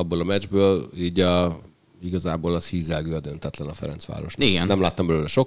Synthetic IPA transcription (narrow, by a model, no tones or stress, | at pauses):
ɒbːoːlɒmɛd͡ʒbøːliːɟɒ | iɡɒzaːboːlɒshiːzɛlɡøːɒd̪ønt̪ɛt̪lɛnɒfɛ̰ɾɛ̰nsʋa̰ːɾo̞̰ʃiɡɛnnɛmlaːt̪ːɒmbɛløːlɛʃo̞k